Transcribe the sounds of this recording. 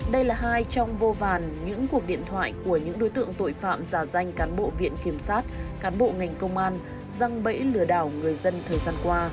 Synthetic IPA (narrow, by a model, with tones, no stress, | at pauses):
ɗə˧jlaː˨˩ɦaː˧jt͡ɕɔ˧wŋ͡mvo˧vaː˨˩nɲɨ̰˧˥ŋku˨˩ək̚ɗḭ˧˨ənt̪ʰwa̰ː˧˨jku˧˩əɲɨ̰˧˥ŋɗo˨˦jt̪ɨ̰˧˨əŋt̪o̰˧˨jfa̰ː˧˨mzaː˧˩za˧jŋ̟kaː˨˦nɓo̰˧˨vḭ˧˨ənki˧˩əmsaː˦˥t̚kaː˨˦nɓo̰˧˨ŋa˨˩jŋ̟kə˧wŋ͡mʔaː˧n | za˧ŋɓə̰˧˥jlɨ˧˩əɗaː˧˩wŋɨ˨˩əjzə˧nt̪ʰəː˨˩jzaː˧nkwaː˧